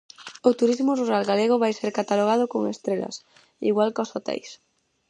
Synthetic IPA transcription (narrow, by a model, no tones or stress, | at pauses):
ot̪uɾizmʊruɾalɣaleɣ̞oβajseɾkat̪aloɣað̞ʊkoŋḛst̪ɾela̰s | ḭɣwalkosot̪ɛ̰js